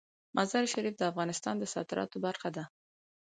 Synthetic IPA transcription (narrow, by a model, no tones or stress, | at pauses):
mʔazɑɾʃaɾifd̪əafɣɑnɪst̪ɑnd̪əsɑ̰d̪ɪɾɑ̰t̪obaɾxad̪a